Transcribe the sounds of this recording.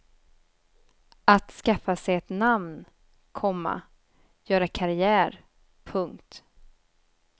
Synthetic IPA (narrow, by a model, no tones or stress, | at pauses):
at̪skafːasɛjɛt̪namn | kʰɔmːa̰ | jœːɾakʰaɾɪæːɾ | pʰɵŋkt̪